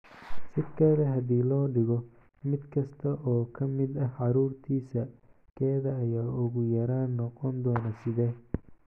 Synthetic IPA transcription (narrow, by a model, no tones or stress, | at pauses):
sɪdkʰɛːðɐɦɐd̪iːlɔːɖɪɣɔ | mɪd̪kʰɐst̪ʰɐʔɔːkʰɐmɪd̪ɐʕɑɾuːrt̪ʰiːsɐ | kʰɛːðɐːjaːʊɣʊjɐɾaːnːɔqɔnd̪ɔːnɐsɪðɛː